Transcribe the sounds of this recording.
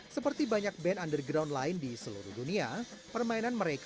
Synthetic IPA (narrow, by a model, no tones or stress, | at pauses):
səpərt̪ibaɲak̚bɛnandərɡɾawnlaɪndisəlṵɾṵhduniapərmainanməɾek